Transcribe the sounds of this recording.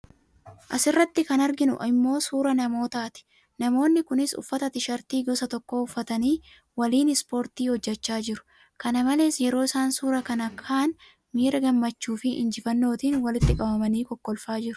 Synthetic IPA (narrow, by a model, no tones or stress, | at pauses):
ʔɐsɪrːɐt̪ːɪkɐnɐɾɡɪnʊ̰ʔɪmːo̞ːsuːɾɐnɐmo̞ːt̪aːt̪ɪ̥ | nɐmo̞ːnːɪkʊnɪsʊ̰fːɐt̪ɐt̪ɪʃɐɾt̪iːɡɔsɐt̪ɔkːo̞ːʊfːɐt̪ɐniː | wɐliːnɪspo̞ːɾt̪iːhɔd͡ʒːɛt͡ʃːaːd͡ʒɪɾʊ̥ | kɐnɐmɐle̞ːsjɛɾo̞ːɪsaːnsuːɾɐkɐnɐkʰaːn | miːɾɐɡɐmːɐt͡ʃːuːfɪʔɪ̰nd͡ʒɪfɐnːo̞ːt̪iːnwɐlɪt̪ːɪkʼɐbɐmɐniːkɔkːɔlfaːd͡ʒɪɾʊ̥